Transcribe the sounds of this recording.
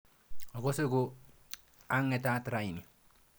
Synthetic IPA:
ɔ˨ko˦se˦ko˦ | a˦ŋɛ˦ta˦tɾa˨i˨ni˨

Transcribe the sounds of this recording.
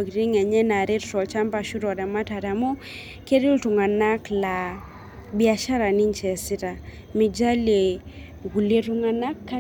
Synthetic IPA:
kɾi˦ŋɛ˨ɲɛ˦na˨ɾe˦ttɔ˨lt͡ʃa˦mpa˨ʃu˦ɾɔ˨da˨ma˦ta˨ta˨mo˦ | ke˦ɾi˦ltu˨ŋa˨na˦kla˨ | bi˨a˨ʃa˦ɾa˨ni˦ɲt͡ʃɛ˨si˦ta˨ | mi˨d͡ʒa˦le˨ | wu˨le˦tu˦ŋa˨na˦kːa˦

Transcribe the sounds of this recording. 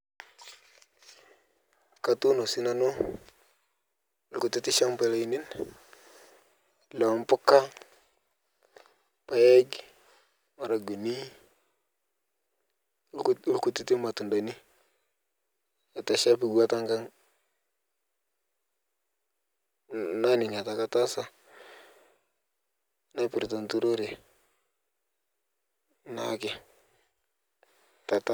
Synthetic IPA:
ka˦tu˦no˨si˦na˦no˦˨ | lku˨ti˦ti˦ʃa˦mpe˦la˦i˦ni˦n | la˨a˨mpʊ˦ka˦ | pa˨je˦ɡ | ma˨ɾa˨ɡu˨ni˦ | lku˦ti˦ti˦ma˨tu˨nda˨ni˦ | a˨ta˨ʃa˦pi˨ɡu˦a˦ta˦ŋka˦ŋ | na˦ni˨ɲa˨ta˨ka˦ta˦sa˦ | na˦pɪ˨ɾta˨ntu˦ɾo˦ɾe˨ | na̰˦ke˨ | ta˨ta˦

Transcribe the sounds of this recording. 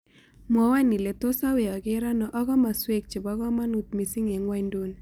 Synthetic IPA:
mwɔ˨wa˦ni˨le˨to˦sa˦we˨ɔ˨ɡɪ˦ɾa˦nɔ˨ʔɔ˦ɣɔ˦ma˨swe˦k̚t͡ʃɪ˨bɔ˦ɣɔ˦ma˦nu˨t̪̚mi˨si˦ŋe˨ŋwa˦i˦ndo˦n

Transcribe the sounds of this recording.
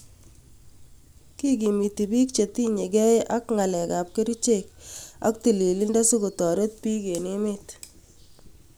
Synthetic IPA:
ki˦ɡ̬i˨mi˨ti˨bi˦k̚t͡ʃe˨t̪i˦ɲe˨ɡɛ˦jʔa˦kŋa˨lɛ˨ka˨p̚ke˦ɾi˦t͡ʃe˦ka̰˦k̚ti˨li˨li˦nda˦su˦ɡo˨tɔ˨ɾe˦t̚pi˦ke˨ni˦mɪ˦t

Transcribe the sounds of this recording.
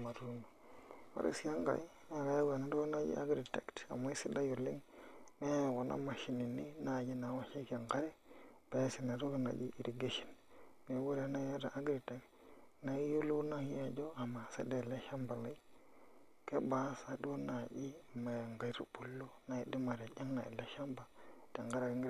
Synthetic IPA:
ma˨ɾu˦nu˨wa̰˦ɾḭ˦sa˦ŋɡa̰˨i˦ | na˨ɡa˦ja˦ɡe˨na˨ɾo˦kna˦d͡ʒḭ˦a̰˦ɡɾi˨tḛ˨kta̰˨ma˦i˦si˦da˦ju˨li˦ŋme˦˨ɡo˨nʔa̰˦ma˨ʃi˨ni˨ni˦na˨d͡ʒi˦na˨˦wa˦ʃe˦ka˨ŋka˦ɾe˦b̥e˨˦si˨na˨ɾu˦ɡna̰˨d͡ʒḭ˦ʔi˨ɾi˨ɡe˦ʃi̥˨nne˨˦we˦ɾe˦na˦ja˦da̰˨ʔa˦ɡɾi˨te˨kt | na˨i˦ju˦lu˦na˦ŋi˦ja˨d͡ʒo˦a˨ma˨sḛ˦de˦˨le˦ʃa˦mba˨la˨i˦ | ke˦ba˨˦sa˨du˦na˨ʔi˦˨ma˨jŋɡa˨˦ɾṵ˦bu˨lːo˦na˨i˨di˦ma˨ɾe˨d͡ʒa˦ŋna̰˨ḭ˨le˦ʃa˦mba˨te˨ŋɡa˦ɾa˨ki˦ŋɡ

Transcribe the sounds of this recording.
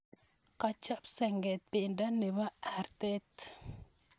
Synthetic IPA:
ka˨t͡ʃɔ˦psɛ˨ŋɡɛ˨t̪̚pɪ˨nda˦ne˨βa˦a˨rt̪ɛ˦t̪

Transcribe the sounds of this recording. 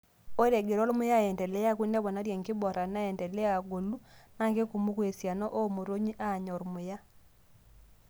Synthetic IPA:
o˦ɾe˨ɡe˨ɾo˦lmʊ˦ja˦˨ɛ˨ntɛ˨lɛ˦ja˦kwi˦ndɛ˦βɔ˨na˦ɾje˨ŋkɪ˦bɔ˨ɾa˨na˦ɛ˨ntɛ˨lɛ˦a˨ɡo˨lu˦na˦ŋɡe˦ku˨mu˦kwe˨sja˨nɔ˦ʔo˦mo˨ɾo˦ɲi˦ʔa˦˨ɲɔ˨ɾmʊ˨ja˦

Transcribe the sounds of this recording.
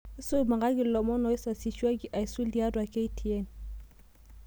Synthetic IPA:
i˦su˦ma˨ŋɡa˦ɡi˨lɔ˨mɔ˦nɔ˨˦i˦sa˨si˨ʃwa˦ɡi˨˦ʔa˨i˨su˦li˨˦a˦dwa˨ke˦i˦tʰi˨ɛ˦n

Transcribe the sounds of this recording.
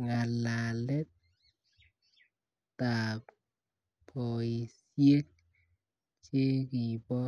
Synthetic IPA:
ŋa˨la˨lɛ˦t̪̚ | a˨k | pɔ˨i˨s | je˦k̚ | t͡ʃe˦ki˨bɔ˦

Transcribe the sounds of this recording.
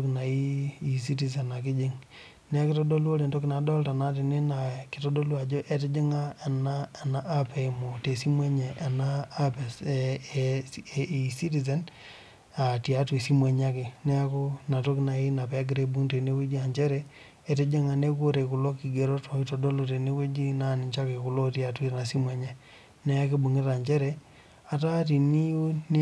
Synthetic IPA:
kna˨i˦i˨s̬i˦ti˨ze˨na˨kɪ˦d͡ʒɪ˦ŋ | nɛ˦a˦kɪ˦to˦do˦lo˦ɾe˨nto˦kna˨dɔ˦lta˨na˦t̬ɪ˨nɪ˦na˨kɪ˨to˦do˦lwa˨d͡ʒo˦ʔe˦t̬ɪ˦d͡ʒɪ˦ŋa˦e˨na˦˨na˦ʔːpɛ˨mo˨te˨si˦mwe˦ɲɛ˨ʔa˨naː˦pɛ˨ | i˨si˦ti˨zɛ˨˦n | a˨ti˨a˦twe˨si˦mwe˨ɲa˦kɪ˨nɛ˦a˦ko˦na˨to˦kna˨i˦na˨pɛ˦ɡɾe˨bu˦ŋte˨ne˦we˦d͡ʒi˦a˨ɲd͡ʒɛ˦ɾɛ˨ | e˨te˦d͡ʒa˦ŋa˨ne˦k̬o˦ɾe˨kʊ˨lo˦ki˨ɡe˨ɾo˦tɔ˨i˦to˨do˦lo˨te˨ne˦we˦d͡ʒi˦na˦˨nɪ˨ɲt͡ʃa˦ke˨ku˨lo˦ti˨a˨twi˦na˨si˦mwɛ˦ɲɛ˨ | nɛ˦a˦kɪ˦bu˨ŋe˦ta˨ɲt͡ʃɛ˦ɾɛ˨ | a˨ta˦ti˨ni˦ju˦n˦

